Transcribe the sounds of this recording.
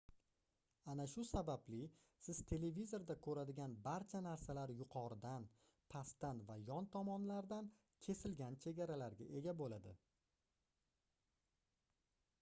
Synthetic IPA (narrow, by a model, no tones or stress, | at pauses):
anaʃʊsabablɪ | sɪzt̪ʰe̞le̞vizo̞ɾd̪akʰɵɾad̪ɪɡʲanbaɾt͡ʃʰanaɾsalaɾjʊqʰɒɾɪd̪an | pʰast̪anvajɒnt̪ʰɒmɒnlaɾd̪an | kʲʰe̞sɪlɡʲant͡ʃʰe̞ɡʲaɾalaɾɡʲaʔe̞ɡʲabolad̪ɪ